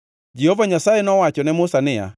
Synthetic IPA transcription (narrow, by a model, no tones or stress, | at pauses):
d͡ʒɛhɔvaɲasaenɔwat͡ʃɔnɛmʊsanɪa̰